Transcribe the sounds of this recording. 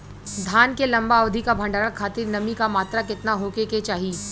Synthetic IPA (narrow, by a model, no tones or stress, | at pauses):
d̪ʱaːnkelɐ̃mbaoːd̪ʱikabʱɐ̃ɳɖaːɾakʰaːt̪iɾnɐmikamaːt̪ɾakɪt̪naɦoːkeket͡ʃaːɦi